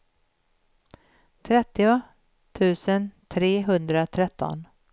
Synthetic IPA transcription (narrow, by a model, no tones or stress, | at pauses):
t̪ʰɾɛt̪ːɪʊ | t̪ʰʉ̟ːsənt̪ʰɾeːɦɵnd̪ɾat̪ʰɾɛt̪ːɔ̰n